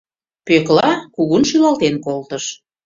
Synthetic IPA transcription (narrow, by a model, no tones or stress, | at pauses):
pøklɑkuɣunʃylɑlt̪enkolt̪əʃ